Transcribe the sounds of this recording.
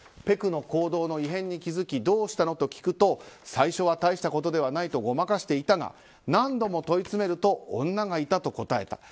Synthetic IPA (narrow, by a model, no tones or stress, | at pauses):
pe̞kɯ̟no̞ko̞ːd̪o̞ːno̞iɦẽ̞ɲ̟ːikʲizɨkʲid̪o̞ːɕi̥t̪ano̞t̪o̞kʲi̥kɯ̟t̪o̞saiɕo̞β̞at̪aiɕi̥t̪ako̞t̪̬o̞d̪e̞β̞anait̪o̞ɡo̞makaɕi̥t̪e̞it̪aɡa̰ | nãnd̪o̞mo̞t̪o̞it͡sɨme̞ɾɯ̟t̪o̞õ̰nːaɡait̪at̪o̞ko̞t̪ae̞̰t̪ḁ̰